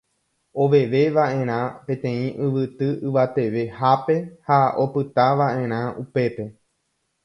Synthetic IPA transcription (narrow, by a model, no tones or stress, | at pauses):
o̞ʋe̞ʋe̞ʋaʔẽ̞ɾ̃ãpẽ̞t̪ẽ̞ĩʔɨʋɨt̪ɨɨʋat̪e̞ʋe̞hape̞hao̞pɨt̪aʋaʔẽ̞ɾ̃ãupe̞pe̞